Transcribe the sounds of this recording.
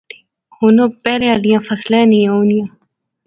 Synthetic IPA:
i | hoːnõːpɛːɾẽalijãːfəslẽːnĩːoːnijãː

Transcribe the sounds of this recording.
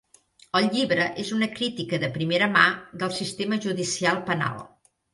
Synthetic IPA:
əlˠʎiβɾəʔezunəkɾit̪ikəðəpɾimeɾəma̰ðəlˠsist̪eməʒuðisialˠpəna̰lˠ

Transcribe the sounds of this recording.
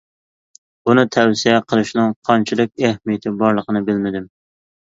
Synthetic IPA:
bunɨt̪ʰɛwsijɛqʰəlˠɨʃnɨŋqʰɑnt͡ʃʰɪlˠɨk̚ʲæhmijɪt̪ʰɪbɑɾlˠəqʰənɨbɪlmɪd̪ɪm

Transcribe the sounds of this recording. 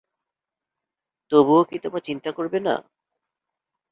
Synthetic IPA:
t̪obuokit̪omat͡ɕint̪akoɾbena̰

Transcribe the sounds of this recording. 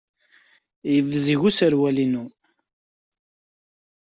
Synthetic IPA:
jəvziʝusəɾwælinu

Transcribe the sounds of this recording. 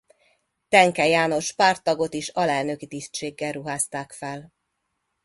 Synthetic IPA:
t̪ɛŋkɛjaːno̞ʃpaːrt̪ːɒɡo̞t̪iʃɒlɛlnø̞kit̪ist̪ʃeːɡːɛlruɦaːst̪aːkfɛl

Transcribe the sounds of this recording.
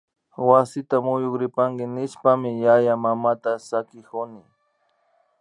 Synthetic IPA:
wasɪt̪amʊjʊkɾɪpaŋɡɪnɪʃpamɪjajamamat̪asakɪkʊnɪ

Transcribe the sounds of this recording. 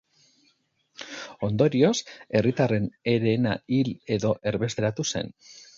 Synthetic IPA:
o̞nd̪o̞ɾio̞se̞rit̪are̞ne̞ɾe̞ːna̰ile̞ðo̞ʔe̞ɾβe̞st̪e̞ɾat̪use̞̰n

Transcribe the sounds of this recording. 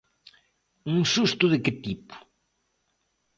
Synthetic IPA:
uŋsust̪ʊðɪkɪt̪ipʊ̥

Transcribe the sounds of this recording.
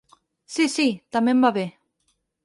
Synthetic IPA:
sisit̪amembaβe

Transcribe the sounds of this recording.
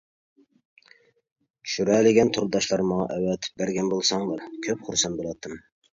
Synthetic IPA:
ʃuɾɛlɪɡʲɛnt̪ʰʊɾd̪ɑʃlˠɑɾmɑŋɑ̰ʔɛwɛt̪̚ʰbæɾɡʲɛnbolˠsɑŋlˠɑɾkʲʰøpχʊɾsɑnbolˠɑt̪ʰːɨm

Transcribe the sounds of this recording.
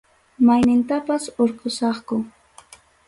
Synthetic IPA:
majnɪnt̪apasoɾqosɑχkʊ

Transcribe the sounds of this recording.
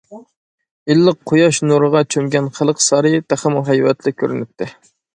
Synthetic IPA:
ilːəqʰːojɑʃnuɾəʁɑt͡ʃʰømɡʲɛnχælˠəqsɑɾɨt̪ʰæχəmuɦæjwɛt̪ʰlɪkʲʰøɾynyp̚t̪ʰːɪ

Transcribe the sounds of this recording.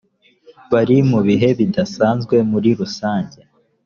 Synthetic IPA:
βaɾimuβiɦe̞βidasaːnzɡwe̞muɾiɾusaːɲɟe

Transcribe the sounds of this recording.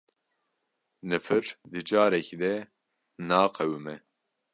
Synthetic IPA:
nɨfɨɾd̪ɨd͡ʒaːɾɛkid̪ɛ | naːqʰɛwɨmɛ

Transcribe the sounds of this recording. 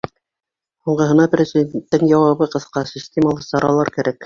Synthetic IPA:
huɴɢɤ̆ɦɤ̆nɑprʲɪzʲidʲent̪ːɘŋjɑwɑβɤqɤ̆θqɑsʲisʲtʲeməlˠɤsɑɾʔɑlˠɑɾkæɾæk

